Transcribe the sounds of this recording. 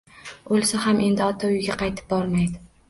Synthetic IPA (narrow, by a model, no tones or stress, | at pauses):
olˠsahamʔe̞nd̪ɪɒt̪ʰaʊjɡʲaqʰɑjt̪ʰɪ̥p̚bɒɾmajd̪ɪ